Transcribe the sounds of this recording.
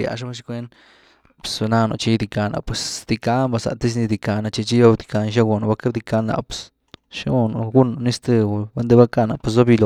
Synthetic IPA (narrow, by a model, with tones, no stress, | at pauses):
ja̰˨˧ʂ̬a˦a˦ʃ̬i̥˧˦kʷe˦n | psa˧na˧no̰˨t͡ʃi˧˦d̪i˧ka˧nʔa̰˨pwe˨sd̪̥i˧ka˧mba˧sa̰˨t̪i˦s̬ni˧d̪i˧ka˧na˧t͡ʃi˧t͡ʃi˦jo˦bd̪i˧ka˧n˧ʃ̬a˦ɡo˨no˨ba˧ka˦bd̪i˧ka˧˦na̰˨ps | ʃa˦ɡo˧no˨ɡu˦no˨ni˦st̪ɨ˧˨ba˦nd̪e˦˧ba˦ka˦na̰˨pe˨zo˦bi˧lo˧